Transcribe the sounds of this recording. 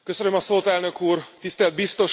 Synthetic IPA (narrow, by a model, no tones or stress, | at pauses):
kø̞sønømɒsoːt̪ɛlnø̞kuːrt̪ist̪ɛld̪̚bist̪o̞ʃ